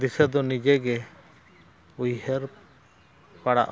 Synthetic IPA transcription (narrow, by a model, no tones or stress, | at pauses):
d̪isɛd̪ɔnid͡ʒɛɡɛ | ujhɛɾ | paɽa̰ʔ